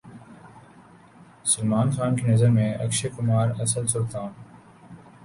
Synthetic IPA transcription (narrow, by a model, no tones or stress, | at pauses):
səlmaːnxaːnkinəzəɾmẽːʔɐ̰kʃeːkʊmaːɾɐsəlsʊɾt̪aːn